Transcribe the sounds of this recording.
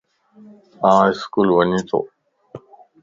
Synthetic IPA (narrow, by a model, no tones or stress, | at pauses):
ãːɪskulʋɐnĩt̪ʰo̰ː